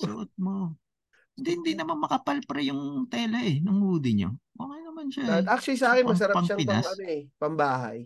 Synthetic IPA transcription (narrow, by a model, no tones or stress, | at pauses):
sɐʔot̪̚mo | ɪnd̪ihɪnd̪inɐmɐnmɐkɐpalpɾɐjʊŋt̪ɛːlɐʔɛnʊŋhuːd̪ɪɲo̰ʔokɐjnɐmanʃaʔak̚t͡ʃʊlis̬ɐaːkɪnmɐs̬ɐɾɐpɐmʃaŋpɪnp̪a̰sɐmɛpɐmbaːɦa̰j